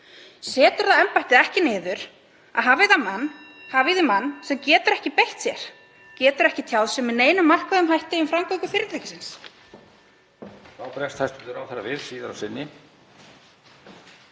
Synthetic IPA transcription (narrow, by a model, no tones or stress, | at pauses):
sɛːt̪ʏɾðaðɛmpajht̪ɪðɛhcɪnɪːðʏɾ̥ | aðɦaːvɪðamanːhaːvɪðɪmanːsɛmcɛːt̪ʏɾɛhcɪpejht̪sjɛɾ̥ | cɛːt̪ʏɾɛhcɪt̪ʰjawðsɛmɪðneːjnʏmːar̥kaðʏmɦajht̪ɪʏmfɾaŋkɔkʏfɪɾɪɾt̪ʰɛhcɪ̥sɪns | θawpɾɛst̪hajst̪ʏðʏɾawθaɾːavɪðsiːðaɾawsɪnːɪ